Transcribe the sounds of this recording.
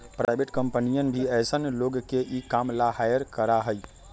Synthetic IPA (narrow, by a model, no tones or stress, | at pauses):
pɾajbʱeʈkəmpənijənbʱiɛjsənloɡkeʔikamlaɦajəɾkəɾaɦəj